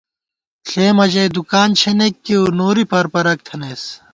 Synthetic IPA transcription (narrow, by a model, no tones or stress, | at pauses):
ɬeːmɐd͡ʑɐjd̪ukaːnt͡ɕʰenekːiunoːɾipɐɾpɐɾɐk̚t̪ʰɐneːs